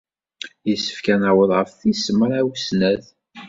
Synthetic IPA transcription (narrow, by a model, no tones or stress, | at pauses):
jisə̥fkænəwəðˤʁəfθisməɾˤæwsnæð